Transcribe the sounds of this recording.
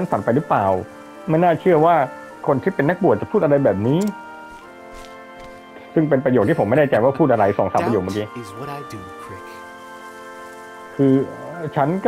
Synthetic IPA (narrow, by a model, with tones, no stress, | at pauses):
t͡ɕʰa˥nsa˨˩˦npa˧jɾɯ˦˥plaː˨˩w | ma˥˩jnaː˥˩t͡ɕʰɯ˥˩ɐwaː˥˩ | kʰo˧nt̪ʰiː˥˩pe˧nːa˦˥k̚bu˨˩ət̪̚t͡ɕpʰuː˥˩t̪ʔa˧a˧jbɛː˨˩p̬̚niː˦˥ | sɯ˥˩ŋp̬e˧npɾa˧jo˨˩t̪̚ʰiː˥˩po˩˦ma˥˩da˥˩t͡ɕa˧jwaː˥˩pʰuː˥˩ʔa˧ɾa˧jsɔː˩˦ŋsaː˨˦pɾa˧joː˨˩k̚mː˧k̬iː˧ | kʰɯː˧t͡ɕʰa˦˥nk